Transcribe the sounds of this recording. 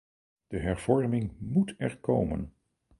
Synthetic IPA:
d̥əɦɛɹv̥ɔɹmɪŋmutʰɛɹkowmə̰n

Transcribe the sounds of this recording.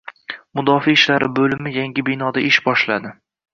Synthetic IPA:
mʊd̪ɒfiːʃlaɾɪbɵlɪmɪjaŋɡʲɪbɪnɒd̪aɪʃbɒʃlad̪ɪ

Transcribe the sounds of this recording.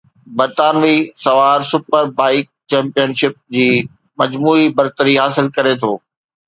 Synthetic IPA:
bɐɾt̪aːnʋisɐʋaːɾsʊpəɾbaːɪk̚t͡ɕɛ̃ːmpijənʃɪp̚d͡ʑiː | mɐd͡ʑmuːibɐɾt̪əɾiɦaːsɪlkɐɾet̪ʰoː

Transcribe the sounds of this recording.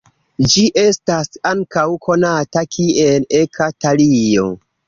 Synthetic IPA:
d͡ʒiʔe̞stasaŋkawkʰo̞natakʰielekʰatalio̞̰

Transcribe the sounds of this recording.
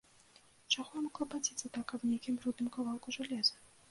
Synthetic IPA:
t͡ʂaɣɔjmɔklˠɐpad͡zʲit̪sɐt̪akːɐbnʲejkʲimbɾud̪nɨmkavalˠkuʐalʲɛzɐ

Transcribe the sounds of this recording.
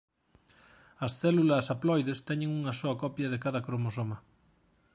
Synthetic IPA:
ɐsθɛlulɐsaplɔjðest̪ɛɲeŋuŋɐsoɐkɔpjɐðekaðɐkɾomosomɐ

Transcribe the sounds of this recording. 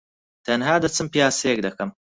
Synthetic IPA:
t̪ʰɐnɦaːd̪ɐt͡sʰɨmpijaːsejek̚d̪ɐkɐm

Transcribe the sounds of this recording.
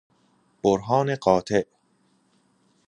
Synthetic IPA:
b̥oɾɦɒːneɢɒːt̪ʰeʔ

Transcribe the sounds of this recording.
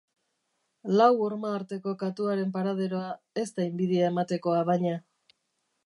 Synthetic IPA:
lawoɾmaːɾt̪e̞ko̞kat̪uaɾe̞mpaɾað̞e̞ɾo̞a | e̞st̪aimbiðiae̞mat̪e̞ko̞aβajɲa

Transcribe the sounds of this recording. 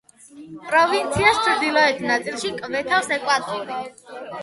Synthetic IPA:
pʼɾɔvint̪sʰiast͡ʃʰɾd̪ilˠɔɛt̪ʰnat̪sʼilˠʃikʼvɛt̪ʰafsɛkʼwat̪ʼuli

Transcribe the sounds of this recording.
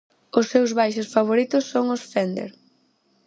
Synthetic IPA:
ʊsːewzβajʃʊsfaβ̞oɾit̪ʊsːoŋʊsfɛnd̪ḛɾ

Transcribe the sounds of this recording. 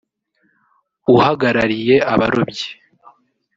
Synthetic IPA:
uhaɡaɾaɾije̞ʔaβaɾo̞bɟe̥

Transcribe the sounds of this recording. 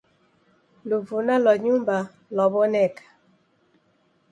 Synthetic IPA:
luvunalɔɲumba | lɔbɔnɛkḁ

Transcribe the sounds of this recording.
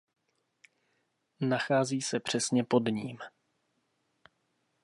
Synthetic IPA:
naxaːziːsɛpr̥ɛsɲɛpo̞dɲiːm

